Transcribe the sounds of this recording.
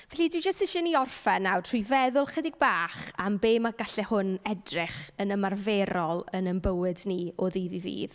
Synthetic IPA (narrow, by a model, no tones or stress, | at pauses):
vɛɬidwid͡ʒəstɪʃɛniɔrfɛnːawtʰrʊjvɛðʊlˠχədɪɡ̚baːχambeːmaɡaɬɛhʊnɛdrɪχənəmarvɛɾɔlˠənənbəwɪdniɔðiːðiðḭːð